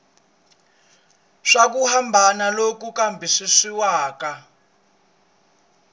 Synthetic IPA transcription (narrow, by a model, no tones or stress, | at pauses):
ʂak̬uhambʱanalok̬ukambʱiʂiʂiwaːka